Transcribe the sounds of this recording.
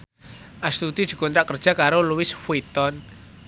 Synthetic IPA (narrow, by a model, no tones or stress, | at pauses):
ʔast̪ud̪̥id̪̥i̤kunɾaʔkərd̥ʒ̥a̤kaɾoluwɪsfuit̪ɔn